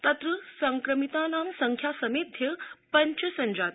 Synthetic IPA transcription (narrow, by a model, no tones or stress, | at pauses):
t̪ət̪ɾəsəŋkɾəmit̪anãnsəŋkʰjasəmed̪ʱjəpəɲt͡ʃəsəɲd͡ʑat̪